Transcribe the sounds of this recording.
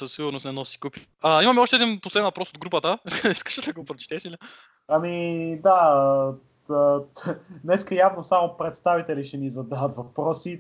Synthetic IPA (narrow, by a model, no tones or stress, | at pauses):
səsiɡʊɾnosnɛnɔsi̥kupi | ɐimɐmɛɔʃt̪ɛːd̪inposlɛd̪ɛnvɐpɾɔsod̪ɡɾupət̪əiskə̥ʃɛd̪ɐɡopɾot͡ʃt̪ɛʃili | ɐmid̪a | ə | nɛskəjavnosamopɾɛt̪st̪avit̪ɛliʃɛmizɐd̪aət̪vɐpɾɔsi